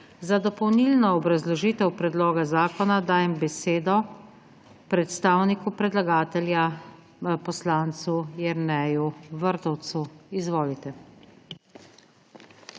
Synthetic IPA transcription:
zad̪ɔpɔwniːlnɔːbɾazlɔʒiːt̪ɛwpɾɛd̪loːɡazaːkɔnad̪aːjɛmbɛseːd̪ɔ | pɾɛt̪st̪aːwnikupɾɛd̪laɡaːt̪ɛlja | pɔslaːnt̪sujɛɾnɛjuʋəɾt̪ɔwt̪suizʋoːlit̪ɛ

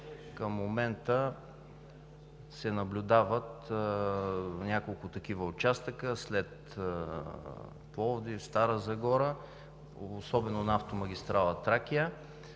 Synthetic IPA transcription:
kəmːomɛnt̪ə | sɛnɐblʲʊd̪avət̪ | nʲakolˠkʊt̪ɐk̟ivəot͡ʃast̪əkəslɛt̪ | plˠɔvd̪ifst̪aɾəzɐɡɔɾə | osɔbɛnonaft̪omɐɡʲist̪ɾalˠɐt̪ɾakʲiə

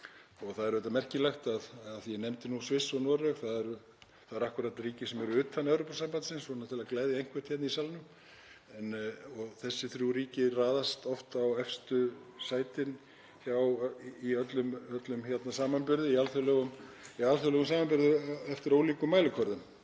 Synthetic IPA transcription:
ɔɣθaðɛɾvɛt̪amɛr̥cɪlɛxt̪aðːðjɛnɛmt̪ɪnusvɪsːɔnɔɾœɣθaðɛɾ | θaðɛɾahkʊɾat̪riːcɪsɛmɛɾʏʏːt̪ʰːanɛwɾopasampant̪sɪnsɔnat̪ʰɪlaðklɛjðɪejŋ̥kʰvɛ̥t̪çɛt̪naisalnʏm | ɛnɔɣθɛsːɪθɾuɾiːcɪraːðast̪ɔft̪awɛfst̪ʏsaːjt̪ɪn | çawiœt̪lʏmœt̪lʏmçɛt̪nasaːmanpʏɾðɪialθœlœːɣʏmialθœlɛːɣʏmsaːmanpʏɾðɪɛft̪ɪɾoːwliːkʏmːaːjlɪkʰɔɾðʏm

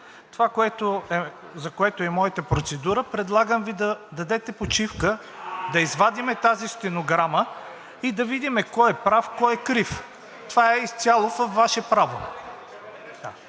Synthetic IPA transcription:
t̪ovakoɛt̪oɛ | zɐkoɛt̪oɛmɔit̪əpɾot̪sɛd̪uɾəpɾɛd̪lˠaɡəmvid̪ɐd̪ɐd̪ɛt̪ɛpot͡ʃifkə | d̪ɐizvad̪imɛt̪azist̪ɛnoɡɾamə | id̪ɐvid̪imɛkɔjɛpɾafkɔjɛkɾif | t̪ovaɛist̪sʲalˠofɐfvːaʃɛpɾavo | a

